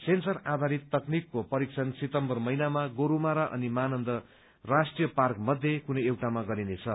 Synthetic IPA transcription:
sensʌrad̪ʱaɾit̪ːʌknikːopʌɾiksʰʌnset̪ʌmbʌrmʌjnamaɡoɾumaɾaʔʌ̰nimanʌnd̪ʌ | rasʈrijʌparkmʌd̪ʱjekunʌewʈamaɡʌɾinet͡sʰʌ

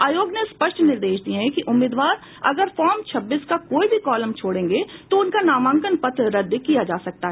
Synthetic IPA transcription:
aːjoːɡnespɐʃʈnɪɾd̪eːʃd̪iẽɦɛ̃kiʔʊmːɪːd̪ʋaːɾ | ɐɡəɾfɔːɾmt͡ʃʰɐbːiːskakoːibʱikɔːləmt͡ʃʰoːɽẽːŋɡet̪oʊnkanaːmə̃ːŋkənpɐt̪ʰɾɐd̪ːkijad͡ʒaːsɐk̚t̪aɦɛː

